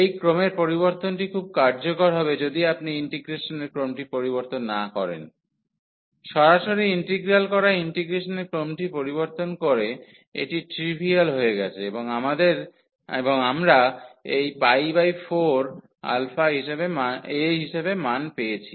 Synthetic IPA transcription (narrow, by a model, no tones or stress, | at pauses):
ejkɾomeɾpoɾiβoɾt̪onʈikʰub̚kaɾd͡ʑokoɾɦɔbed͡ʑod̪iapniiɳʈiɡɾeʃoneɾkɾomʈipoɾiβoɾt̪onːakɔɾḛn | ʃɔɾaʃoɾiiɳʈiɡɾalkɔɾaiɳʈiɡɾeʃoneɾkɾomʈipoɾiβoɾt̪onkoɾe | ḛʈiʈɾibʱialɦoeɡɛt͡ɕʰeeboŋamad̪eɾ | eboŋamɾaejpajbajfoɾ | a̰lfaɦiʃebemaeɦiʃebemanpejet͡ɕʰi